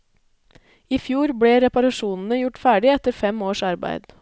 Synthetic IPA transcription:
ɪfjuːɾbɽeːɾɛpɑɾɑʃuːnn̩əjʊʈfæːɖɪɛt̪əɾfɛmoːʃɑɾbæ̰ɪd̪

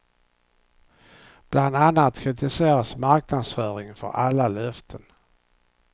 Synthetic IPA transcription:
b̥land̪anːat̪kʰɾɪt̪ɪseːɾasmaɾknad̪sfœːɾɪŋfœ̰ɾʔalːalœft̪ʰən

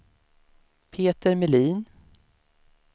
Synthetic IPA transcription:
pʰeːt̪əɾmɛliːn

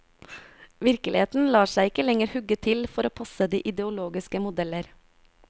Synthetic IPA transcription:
ʋɪɾkəlɪeːt̪n̩lɑːʃæɪɪkəlɛŋəɾhʉɡət̪ʰɪlfɔɾoːpʰɑsəd̪iːʔɪd̪əʊloːɡɪskəmʊd̪ɛləɾ

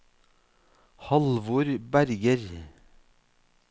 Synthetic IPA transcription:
hɑlʋoːɾbæɾɡəɾ

